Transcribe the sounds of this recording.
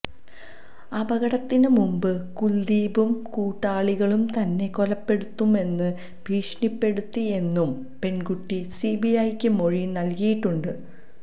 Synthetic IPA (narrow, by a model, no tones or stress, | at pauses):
ɐbɐɣɐɽɐt̪ːinɨmumbɨkuld̪iːbumkuːʈːaːɭiɣɐɭumt̪ɐnːe̞ko̞lɐpːe̞ɽut̪ːume̞nːɨ | bʱiːʂnipːe̞ɽut̪ːie̞nːum | pe̞nkuʈːisibiɐjkʲːɨmo̞ɻinɐlkijiʈːuɳɖɨ